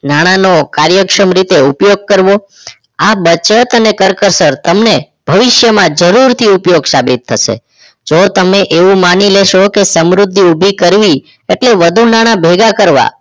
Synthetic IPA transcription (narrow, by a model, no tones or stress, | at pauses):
naɽ̃anokaɾjəkʃəmɾit̪eupjoɡ̚kəɾʋo | abət͡ʃət̪ənekəɾkəɾsəɾt̪əmne | b̥ʱəʋɪʃjəmãd͡ʒəɾuɾt̪ʰiupjoɡsabit̪ʰːəʃḛ | d͡ʒot̪əmeʔeʋũmanileʃokesəmɾʊd̪ʱːiubʱikəɾʋi | eʈleʋəd̪ʱunaɽ̃ãbʱeɡakəɾʋa̰